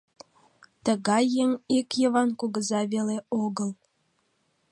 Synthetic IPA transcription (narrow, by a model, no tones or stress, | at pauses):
t̪əɣɑjːənʲikjəβɑnkuɣəzɑβeleoɣəl